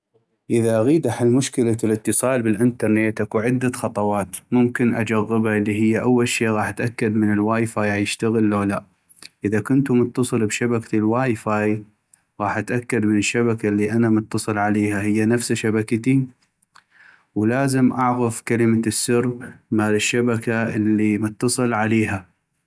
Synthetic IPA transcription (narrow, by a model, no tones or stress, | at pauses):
ʔɪðaʔaɣiːd̪aħalmʊʃkɪlaɪlət̪ːɨsˤɑːlbɪlʔɪnt̪ɑɾˤnet̪ʔakuʕɪd̪ːaxɑt̪ˤɑwɑːt̪mʊmkɪnʔad͡ʒaɣːɪbhaʔlːiɦɪjːaʔawːalʃeːʔɣɑːħʔat̪ʔakːad̪mɪnɪlwaːjfaːjajɪʃt̪aɣəlːoːlaʔ | ʔɪðakʊnt̪umʊt̪ːɑsˤɨlbʃabakt̪ilwaːjfaːj | ɣɑːħʔat̪ʔakːad̪mɪnɪʃːabakalːiʔanamʊt̪ːɑsˤɨlʕaleːhahɪjːanafsaʃabakat̪i | wlaːzɪmʔaʕɣafkalɪmasːʊrːmaːlɪʃːabakaʔɪlːimʊt̪ːɑsˤɨlʕaleːɦa